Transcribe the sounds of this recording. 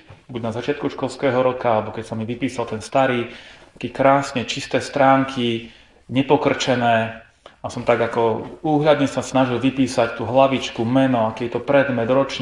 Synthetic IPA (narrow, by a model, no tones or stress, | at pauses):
buɟnazat͡ʃɪat̪kuʃkɔlskɛːɦɔɾɔkaalɛbɔkɛcsamiʋipiːsalˠt̪ɛnst̪aɾiːakɛkɾaːsɲɛt͡ʃist̪ɛːst̪ɾaːŋkʰi | ɲɛpɔkr̩t͡ʃɛnɛː | asɔmt̪aɡakɔuːɦʎad̪ɲɛsasnaʒilʋipiːsact̪uːɦlaʋit͡ʃkumɛnɔakɛjɛt̪ɔpɾɛd̪mɛd̪ɾɔt͡ʃɲ